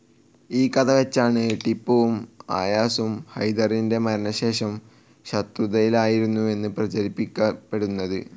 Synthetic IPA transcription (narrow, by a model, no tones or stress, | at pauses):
iːkɐðɐʋet͡ɕːaːɳɨʈipːɐʋuma̰ːjaːsumhɐjd̪ɐrinde̞mɐɾɐnɐɕe̞ːʂɐm | ɕɐt̪ruðɐjilaːjiɾunːue̞nːɨprɐt͡ɕɐɾipːikʲːɐpːe̞ɽunːɐðɨ